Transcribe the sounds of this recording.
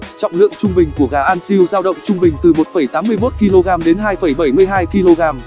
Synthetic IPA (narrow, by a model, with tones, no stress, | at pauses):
t͡ɕɔ̰˧˨wŋ͡mlɨ̰˧˨əŋt͡ɕʊ˧ŋ͡mɓï˨˩ŋ̟ku˧˩əɣaː˨˩ʔaː˧nsi˧wzaː˧wɗə̰˧˨wŋ͡mt͡ɕʊ˧ŋ͡mɓï˨˩ŋ̟t̪ɨ˨˩mo˨˩t̚fə˧˩jt̪aː˨˦mːɨ˧əjmo˦˥t̚ki˧lo˧ɣaː˧mɗe˨˦nɦaː˧jfə˧˩jɓə˧˩jmɨ˧əjɦaː˧jki˧lo˧ɣaː˧m